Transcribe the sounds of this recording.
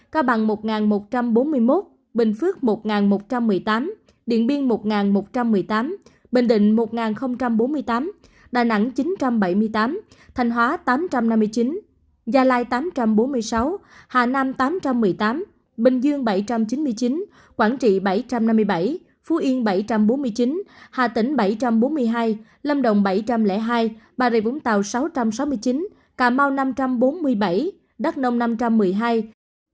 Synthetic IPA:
kaː˧ɓa̰˧˨ŋmo˨˩t̚ŋaː˨˩nmo˨˩t̚t͡ɕa˧mɓo˨˦nmɨ˧əjmo˦˥t̚ | ɓï˨˩ŋ̟fɨ˦˥ək̚mo˨˩t̚ŋaː˨˩nmo˨˩t̚t͡ɕa˧mːɨ˨˩əjt̪aː˨˦m | ɗḭ˧˨ənɓi˧əŋmo˨˩t̚ŋaː˨˩nmo˨˩t̚t͡ɕa˧mːɨ˨˩əjt̪aː˨˦m | ɓï˨˩ŋ̟ɗḭ̈˧˨ŋ̟mo˨˩t̚ŋaː˨˩nxə˧wŋ͡mt͡ɕa˧mɓo˨˦nmɨ˧əjt̪aː˨˦m | ɗaː˨˩jna̰˧˥ŋt͡ɕi˨˦nt͡ɕa˧mɓa˧˩jmɨ˧əjt̪aː˨˦m | t̪ʰɛ˨˩jŋ̟ɦwaː˨˦t̪aː˨˦mt͡ɕa˧mna˧mːɨ˧əjt͡ɕi˨˦n | zaː˧laː˧jt̪aː˨˦mt͡ɕa˧mɓo˨˦nmɨ˧əjsa˨˦whaː˨˩naː˧mt̪aː˨˦mt͡ɕa˧mːɨ˨˩əjt̪aː˨˦m | ɓï˨˩ŋ̟zɨ˧əŋɓə˧˩jt͡ɕa˧mt͡ɕi˨˦nmɨ˧əjt͡ɕi˨˦n | kwaː˧˩nt͡ɕḭ˧˨ɓə˧˩jt͡ɕa˧mna˧mːɨ˧əjɓə˧˩j | fu˨˦ʔi˧ŋɓə˧˩jt͡ɕa˧mɓo˨˦nmɨ˧əjt͡ɕi˨˦nhaː˨˩t̪ï˧˩ŋ̟ɓə˧˩jt͡ɕa˧mɓo˨˦nmɨ˧əjɦaː˧j | lə˧mɗə̰˧˨wŋ͡mɓə˧˩jt͡ɕa˧mlɛ̰˧˥ɦaː˧jɓaː˨˩zi˨˩vʊ̰˧˥˦ŋ͡mt̪a̰ː˨wsa˨˦wt͡ɕa˧msa˨˦wmɨ˧əjt͡ɕi˨˦n | kaː˧˩ma˧wna˧mt͡ɕa˧mɓo˨˦nmɨ˧əjɓa˧˩j | ɗə˦˥t̚nə˧wŋ͡mna˧mt͡ɕa˧mːɨ˨˩əjɦaː˧j

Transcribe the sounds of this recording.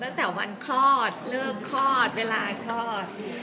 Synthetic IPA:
t̪a˦˥˩ŋt̪ɛː˨˩wa̰˧nkʰlɔː˥˩t̪̚lɤː˥˩kʰːɔː˥˩t̪̚weː˧laː˧kʰlɔː˥˩t̪̚

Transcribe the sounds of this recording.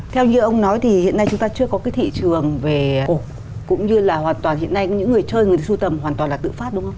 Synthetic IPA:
t̪ʰɛ˧wɲɨ̰˧ʔə˧wŋ͡mnɔ˨˦jt̪ʰi˨˩hḭ˧˨ənːa˧jt͡ɕʊ˨˦ŋ͡mt̪aː˧t͡ɕɨ˧əkɔ˨˦kaː˨˦jt̪ʰḭ˧˨t͡ɕɨ˨˩əŋve˨˩ku˨˩k̚ | kʊ̰˧˥ŋ͡mɲɨ˧laː˨˩hwaː˨˩nt̪waː˨˩nhḭ˧˨ənːa˧jɲɨ̰˧˥ŋː˨˩əjt͡ɕəː˧jŋɨ˨˩t̪su˧t̪ə˨˩mhwaː˨˩nt̪waː˨˩nlaː˨˩t̪ɨ̰˧˨faː˦˥ɗʊ˨˦ŋ͡mxə˧wŋ͡m

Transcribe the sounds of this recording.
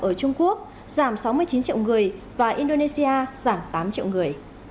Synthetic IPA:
ʔəː˧˩t͡ɕʊ˧ŋ͡mku˦˥ək̚ | z̥aː˧˩msa˨˦wmɨ˧əjt͡ɕi˨˦nt͡ɕḭ˧˨wŋɨ˨˩əj | vaː˨˩ʔi˧nɗo˧ne˧si˧ʔaː˧z̥aː˧˩mt̪aː˨˦mt͡ɕḭ˧˨wŋɨ˨˩əj

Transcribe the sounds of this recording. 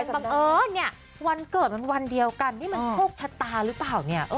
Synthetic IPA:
ba˧˩ʔɤː˧˩ni˥˩ɐ | wa˧nkɤː˨˩t̪̚ma˧nwa˧ndi˧əwka˧ntʰiː˥˩ma˧nm˧pʰoː˥˩k̚t͡ɕʰa˧˥t̪ːaː˧ɾɯ˦˥plaː˨˩wni˥˩ɐʔɤː˧˥˩

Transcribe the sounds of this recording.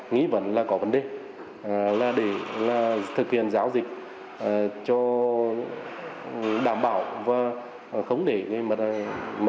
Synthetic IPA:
ŋḭ˧˥və̰˧˦nlaː˨˩kɔ˨˦və˨˦nɗe˨˩ | laː˨˩ɗe˧˩laː˨˩t̪ʰɨ˨˩k̚hḭ˧˩ənzaː˨˦wzï˨˩k̚ | ə˨˩t͡ɕɔ˧ | ɗaː˧˩mɓaː˧˩˨wvaː˨˩˨ | xə˧˦wŋ͡mɗe˧˩ŋ˧jm˧˩mə˨˧

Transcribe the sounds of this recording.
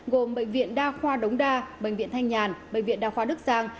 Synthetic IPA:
ɣo˨˩mɓə̰˧˨jŋ̟vḭ˧˨ənɗaː˧xwaː˧ɗə˨˦wŋ͡mɗaː˧ɓə̰˧˨ŋ̟vḭ˧˨ənt̪ʰa˧jŋɲaː˨˩nɓə̰˧˨ŋ̟vḭ˧˨ənɗaː˧xwaː˧ɗɨ˦˥k̚zaː˧ŋ

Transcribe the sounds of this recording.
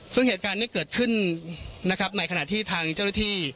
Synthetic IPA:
sɯ˥˩ŋheː˨˩t̪̚kaː˧nːiː˥˩kɤː˨˩t̪̚kʰɯ˥˩nː | a˦˥kʰɾp̚na˧˩kʰa˧naː˨˩t̪ʰiː˥˩t̪ʰaː˧ŋt͡ɕa˥˩wna˥˩t̪ʰiː˥˩

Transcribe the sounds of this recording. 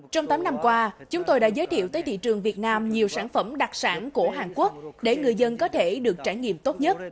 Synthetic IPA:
t͡ɕɔ˧wŋ͡mt̪aː˨˦mna˧mkwaː˧t͡ɕʊ˨˦ŋ͡mt̪o˧jɗa̰ː˧˥zəː˨˦jt̪ʰḭ˧˨əwt̪əː˨˦jt̪ʰḭ˧˨t͡ɕɨ˨˩əŋvi˨˩ət̚naː˧mɲi˨˩əwsaː˧˩nfə˧˩mɗa˨˩k̚saː˧˩nku˧˩əɦaː˨˩ŋku˦˥ək̚ɗe˧˩ŋɨ˨˩əjzə˧nkɔ˨˦t̪ʰe˧˩ɗɨ˨˩ək̚t͡ɕaː˧˩jŋḭ˧˨əmt̪o˦˥t̚ɲə˦˥t̚

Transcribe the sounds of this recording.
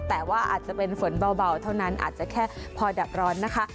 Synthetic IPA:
t̪ɛː˨˩waː˥˩ʔa̰ː˨˩t̪̚t͡ɕa˨˩pe˧nfo˨˩˦nba˧wba˧˩wt̪ʰa˥˩wna˦˥nʔa̰ː˨˩t̪̚t͡ɕa˨˩kʰɛː˥˩ | pʰɔː˧da˨˩p̚ɾɔː˦˥nːa˦˥kʰa˦˥ʔ

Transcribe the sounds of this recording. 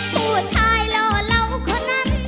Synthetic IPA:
pu˨˩ət͡ɕʰaː˧jlɔː˧˩la˧˥wkʰɔː˨˦˥na˧˥n

